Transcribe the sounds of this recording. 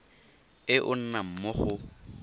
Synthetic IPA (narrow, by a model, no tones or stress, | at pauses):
ɪʔʊ̰n̩nam̩mʊχʊ